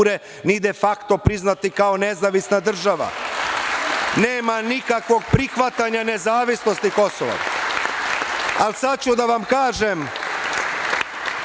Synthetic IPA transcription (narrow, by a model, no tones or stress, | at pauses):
ɾe | nid̪e̞fakt̪o̞pɾiznat̪ikao̞nezaʋisnad̪r̩ʒaʋa̰ | neːmanikakʋo̞ɡ̚pɾixʋat̪aɲane̞zaːʋisnost̪iko̞soʋa̰ | alsad̪̚t͡ɕud̪aʋamkaːʒem